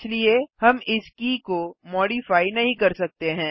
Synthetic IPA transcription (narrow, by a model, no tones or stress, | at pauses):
sliehɐmɪskikomɔːɖifaːinɐɦĩkɐɾsɐk̚t̪eɦɛ̃ː